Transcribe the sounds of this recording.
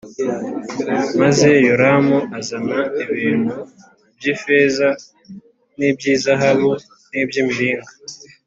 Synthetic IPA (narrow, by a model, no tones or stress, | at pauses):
maze̞joɾamoʔazanaiβiːn̤̥hu | bjiːfe̞ːza | nibjiːzaɦaβu | nibjimiɾiːŋɡa